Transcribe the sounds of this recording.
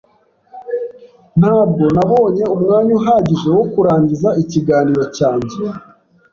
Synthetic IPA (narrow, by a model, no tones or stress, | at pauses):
n̥haːb̚ɡo̞naβo̞ːɲe̞umŋaːɲuɦaɟiʒe̞wokuɾaːɲɟizaiciɡaːniːɾo̞caːɲɟe